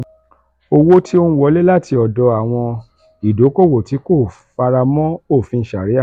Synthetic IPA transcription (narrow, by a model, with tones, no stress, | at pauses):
o˧wo˦tʰi˦o˦˧nũ˦wɔ˨˦le˦la˦˨tʰi˧ɔ˨dɔ˧˦a˨w̃ɔ̃˧ | i˨do˨˦ko˦˨wo˨ti˨˦ko˦˨ | fa˧ɾa˧mɔ̃˦o˦˨fĩ˧˨˦ʃa˨ɾi˨˦a˦˨